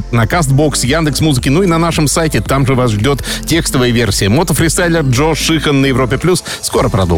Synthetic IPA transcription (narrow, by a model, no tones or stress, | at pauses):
nɐkast̪̚bo̞ksjand̪ɨksmuzɨkʲɪnuinɐnaʂɨmsajtʲɪt̪amʐɨvasʐdʲo̞t̪tʲe̞kst̪əvəjəvʲe̞rsʲɪjəmo̞t̪əfɾʲɪst̪ajlʲɪrʐoʂːɨxənːəjɪvɾo̞pʲɪplʲusːko̞ɾəpɾɐ̰d̪o̰